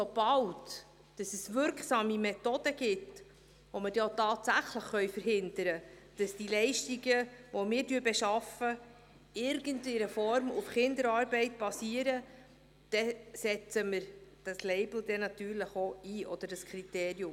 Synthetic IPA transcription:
sɔb̥ɑlt | d̥ɑsɛsʋʏɾkχsɑːmimɛt̪ɔd̥əɡ̥ɪt | ʋɔmədotɑːtsæχləχχœʏfəɾɦɪnd̪əɾə | d̥ɑsd̥ilɛɪʃtiɡəʋɔmɪːɾdyːbɛʃɑfə | ɪɾɡəntiɾəfɔɾmufχɪnd̪əɾɑːɾbɛɪtb̥ɑsiːəɾə | d̥ɛsɛt͡səməɾd̥ɑslɛɪbl̩d̥̪ɛnɑt̪yːɾləχoiːʔɔd̥̪əɾdəskʰɾiteːɾjʊm

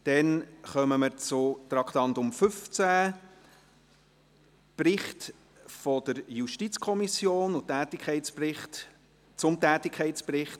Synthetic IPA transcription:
d̥ɛnχœməməɾt͡sʊt̪ɾɑkχt̪ɑnt̪ʊmfʏft͡sæ | prɪχt | fɔd̥̪əɾjuʃtit͡skʰɔmisjoːnʊtæːt̪ɪkʰχɛɪtsprɪχt | t͡sʊmtæːtɪkʰχɛɪsprɪχt

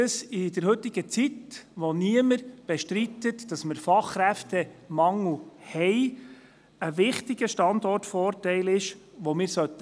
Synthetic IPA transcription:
əsɪd̥əɾhɵt̪ːɪɡ̥ət͡sitʋoniəməɾb̥eʃtɾit̪ətd̥ɑsməɾfɑχɾæft̪ɛmɑŋuhɛɪ | əʋɪχtɪɡ̥əʃtɑnd̪ɔrtfɔːrtɛɪlɪʃʋomɪːɾsœt̪ə

